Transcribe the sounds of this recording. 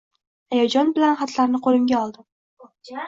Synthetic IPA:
ajad͡ʒɒnbɪlanχat̪ʰlaɾnɪqʰolˠɪmɡʲaɒlˠd̪ɪ

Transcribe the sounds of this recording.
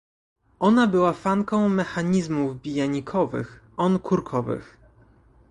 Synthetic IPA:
ʔɔnabɘwafaŋkɔ̃w̃mɛxaɲizmuvbʲijaɲikʰɔvɘ̰x | ɔnkʰuɾkʰɔvɘ̰x

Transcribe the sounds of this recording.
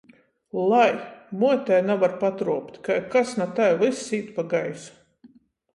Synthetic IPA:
lˠajmuɔt̪ʲɛjnavaɾpat̪ɾuɔpt̪ʲkajkasnat̪ajlˠɨsːiːt̪paɡajsu̥

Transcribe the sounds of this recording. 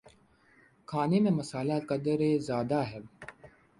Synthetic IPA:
kʰaːnemẽmɐsaːlakəd̪əɾezjaːd̪aɦɛː

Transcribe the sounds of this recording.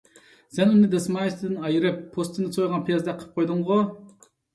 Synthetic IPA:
sɛnunɨd̪ɛsmɑjist̪ʰɪd̪ɪnɑjɨɾɨpʰːost̪ʰɨnd̪ɛsojʁɑnpʰijɑzd̪ɛqʰə̥p̚qʰojd̪ʊɴʁʊ

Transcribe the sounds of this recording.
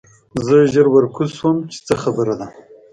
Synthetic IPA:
zəʒəɾwəɾkuswəmt͡ʃe̥t͡səxabəɾad̪a

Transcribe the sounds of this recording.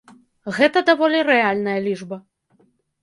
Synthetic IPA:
ɣɛt̪ɐd̪avɔlʲiɾɛalʲnɐjɐlʲiʐbɐ

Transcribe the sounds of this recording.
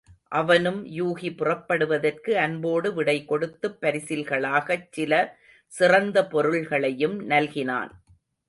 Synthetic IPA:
ʔɐʋɐnɯmjuːɣipɪrɐpːɐɽɯʋɐðɐrkɯɐnboːɽɯʋɪɽɐɪkːɔɽɯt̪ːɯpːɐɾɪsɪlɣɐɭaːɣɐt͡ʃːɪlɐ | sɪrɐnd̪ɐpɔɾɯɭɣɐɭɐjɯmnɐlɣɪna̰ːn

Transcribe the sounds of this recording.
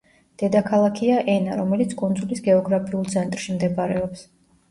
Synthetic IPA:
d̪̥ɛd̪akʰalˠakʰiaʔɛnaɾɔmɛlit̪sʰkʼund̪zulisɡɛɔɡɾapʰiulˠt̪sʰɛnt̪ʼɾʃimd̪ɛpaɾɛɔps

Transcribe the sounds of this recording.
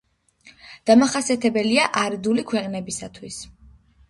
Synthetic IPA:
d̪̥amaχasiat̪ʰɛbɛliaʔaɾd̪ulikʰwɛqʼnɛbisat̪ʰwis

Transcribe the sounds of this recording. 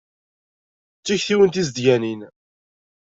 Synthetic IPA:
t͡sːiçθiwənt̪izd̪ʝænin

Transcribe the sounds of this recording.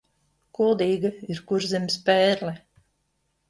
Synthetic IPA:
kulˠd̪iːɡaiɾkuɾzimspɛːɾlɛ

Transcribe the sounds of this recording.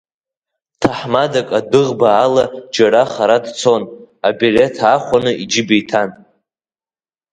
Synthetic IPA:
tʰaħmadakʼadɨʁbaːlad͡ʒaɾaχaɾadt͡sʰo̞n | abilʲe̞tʰaχʷanɨʔid͡ʒɪbejtʰan

